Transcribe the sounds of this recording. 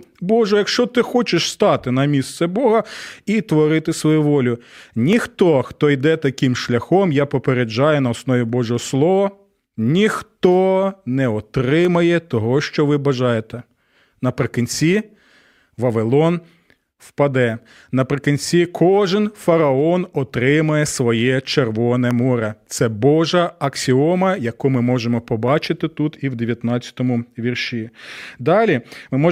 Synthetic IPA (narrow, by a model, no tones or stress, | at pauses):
bɔʒɛjɐkʃt͡ʃɔt̪ɪxɔt͡ʃɪʃst̪ɑt̪ɪnɐmʲist̪sɛbɔɦɐit̪ʋɔɾɪt̪ɪsʋɔjuʋɔlʲʊnʲixt̪ɔxt̪ɔjd̪ɛt̪ɐkʲimʃlʲɐxɔmjapɔpeɾed͡ʒɑjʊnɐɔsnɔʋʲibɔʒɔɦɔslˠɔʋɐ | nʲixt̪ɔnɛɔt̪ɾɪmɐjɛt̪ɔɦɔʃt͡ʃɔʋɪbɐʒɑjet̪ɛ | nɐpɾɪkinʲt͡sʲi | ʋɐʋɪlˠɔn | wpɐd̪ɛ | nɐpɾɪkinʲsʲikʰɔʒɪnfɐɾɐɔnɔt̪ɾɪmɐjɛsʋɔjɛt͡ʃerʋɔnɛmɔɾɐt̪sɛbɔʒɐɐksʲiɔmɐjɐkɔmɪmɔʒemɔpɔbɑt͡ʃɪt̪ɪt̪ut̪iwd̪eʋʲjɐt̪nɑt͡sʲːɐ̥t̪ɔmʊʋʲirʃʲid̪ɑlʲimɪmɔ